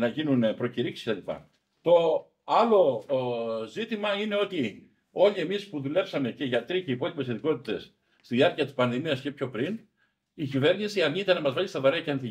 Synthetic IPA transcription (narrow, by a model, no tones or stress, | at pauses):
nɐʝinunpɾo̞ciɾiksi̥set̪ɐlipɐ̰ | t̪o̞ | ɐlo̞ | zit̪imɐine̞o̞t̪i | o̞ʎie̞mispuðule̞psɐme̞ce̞ʝɐt̪ɾiceipo̞lipe̞set̪iko̞t̪it̪e̞sː | t̪iðiɐɾciɐt̪i̥spɐnðimiɐsce̞pço̞pɾin | icive̞ɾnisiɐnit̪ɐnːɐmɐzvɐlist̪ɐvɐɾeɐceɐnθi